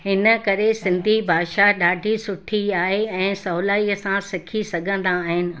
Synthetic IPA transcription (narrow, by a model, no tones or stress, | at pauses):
hɪnə̆kɐɾesɪ̃nd̪ʱibʱaːʃaɗaːɖʱisʊʈʰiaːɦeɛ̃ːsɐɦʊlaːiəsãsɪkʰisɐɡʱə̃nd̪aːɦɪnɪ̆